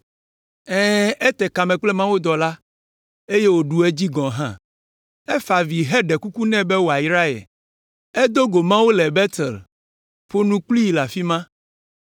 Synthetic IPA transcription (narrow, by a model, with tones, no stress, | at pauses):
ɛ̃ː˦ɛ˦t̪ɛ˨ka˨mɛ̃˨k͡plɛ˦mã˦wo˦d̪ɔ˨la˦ | e˦je˦wo˨ɖu˨e˦d͡ʑi˦ɡɔ̃˨ɦã̰˦ | ɛ˦fa˨vi˨ɦɛ˦ɖɛ˨ku˦ku˦nɛ̃˦bɛ˦wo˨a˨jɾa˦ɛ̰˨ | ɛ˦d̪o˦ɡo˨mã˦wo˦lɛ˨bɛ˦t̪ɛ̰˨l | ɸo˦nũ˦k͡pli˦i˨la˨fi˦mã˦